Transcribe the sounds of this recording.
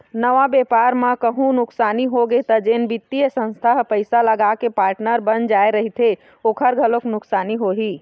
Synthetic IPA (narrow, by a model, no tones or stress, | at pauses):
nəʋabepaɾmãkəɦũnʊksaːniɦoɡet̪əd͡ʒenbit̪ːijəsə̃nst̪ʰaɦpəɪsaləɡakepaːɾʈnəɾbənd͡ʒaeɾəɦit̪ʰe | oːkʰəɾɡʱəloknʊksaːniɦoɦi